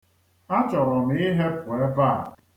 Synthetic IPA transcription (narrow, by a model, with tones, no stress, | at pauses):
a˦t͡ʃɔ˨ɾɔ˨m˨˦i˦ɦe˦pʊ˨e˦ba˦˨